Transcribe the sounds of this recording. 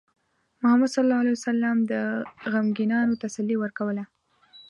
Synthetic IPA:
mʊhamad̪sɑllɑalajwasalːamd̪əɣamɡinɑnot̪asalːiwəɾkawəla

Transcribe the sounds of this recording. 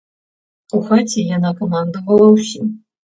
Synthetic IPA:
uxat͡sʲijanakɐmand̪ɨvɐlˠɐwsʲi

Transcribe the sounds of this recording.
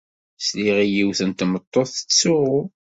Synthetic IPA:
sliʁijiwθənt̪mət̪ˤːoθə̥t͡sːʊʁʊ

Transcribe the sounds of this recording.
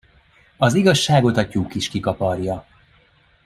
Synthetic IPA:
ɒziɡɒʃːaːɡo̞t̪ɒcuːkiʃkikɒpɒrjɒ

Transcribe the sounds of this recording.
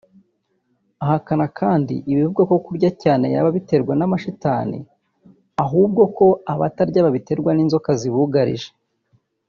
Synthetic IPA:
aɦakanakʰaːndḭʔiβivuɡako̞kuɾɟacaːne̞̰ja̰βaβite̞ɾɡwanamaʃitaːnḭ | aɦuːb̚ɡo̞ko̞aβataɾɟaβaβite̞ɾɡwaniːnzo̞kaziβuɡaɾḭʒe̥

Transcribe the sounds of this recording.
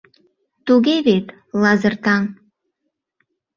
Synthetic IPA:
t̪uɣeβet̪ | lɑzərt̪ɑŋ

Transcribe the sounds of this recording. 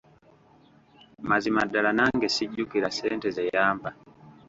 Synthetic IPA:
mazimadalanaŋɡesiɟːukiɾaseːntezejaːmba

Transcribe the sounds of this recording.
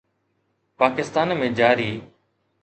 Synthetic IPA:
paːkɪst̪aːnmẽːd͡ʒaːɾiː

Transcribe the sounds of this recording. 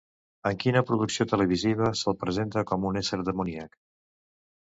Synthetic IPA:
əŋkinəpɾuðuksiot̪ələβ̞iziβ̞əsəlˠpɾəzent̪əkɔmunesəɾðəmuniak

